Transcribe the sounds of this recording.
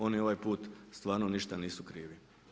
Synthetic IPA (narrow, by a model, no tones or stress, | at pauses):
o̞nio̞ʋajpuːt̪st̪ʋaːɾnoniʃt̪aniːsukɾiːʋi